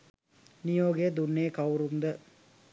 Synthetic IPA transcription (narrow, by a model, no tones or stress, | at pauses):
nijoːɡeːd̪unːeːkɐwɾund̪ə